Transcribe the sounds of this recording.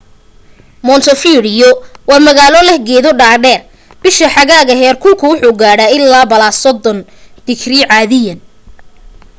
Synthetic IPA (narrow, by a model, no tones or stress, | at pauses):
mɔnt̪ʰɔfiːɽɪjɔwɑːmɐɣaːlɔlɛhɡɛːðɔɖaːɖɛːr | b̥ɪʃɐħɑɣaːɣɐɦɛːrkʰʊlkʰʊwʊħuːɡaːɽaɪlːaːbɐlaːsɔd̪ːɔnd̪̥ɪkʰriʕɑːðɪjɐn